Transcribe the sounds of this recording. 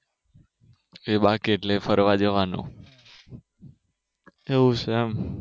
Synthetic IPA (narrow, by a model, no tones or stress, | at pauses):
ebakieʈlefəɾʋad͡ʒəʋanṵ̃ | eʋũʃɛm